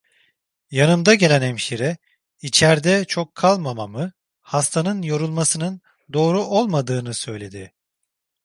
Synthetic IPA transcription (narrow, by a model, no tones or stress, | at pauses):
janɯmd̪aɟe̞lʲænɛmʃiɾɛ | it͡ʃʰæɾd̪ɛt͡ʃʰo̞kʰːalˠmamamɯ | hast̪ʰanɯnjo̞ɾulˠmasɯnɯn | d̪o̞ːɾuʔo̞lˠmad̪ɯːnɯsø̞jlʲe̞d̪ɪ